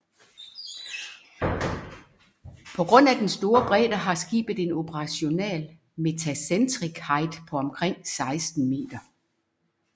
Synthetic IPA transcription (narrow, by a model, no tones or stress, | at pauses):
pʰɒ̽ɡ̥ʁɔ̽n̰æd̥ensd̥o̝ːɐb̥ʁɛ̰ːd̥ɐɦɑ̈sɡ̥ḭːb̥ð̩ˠe̝no̝pʰəʁɑ̈ɕo̝nɛ̰ːl | me̝t͡sʰæsend̥ʁiɡ̥hɑ̈ɪd̥pʰɒ̽ɒmkʰʁeŋ̰sɑ̈ɪsd̥n̩me̝̰ːd̥ɐ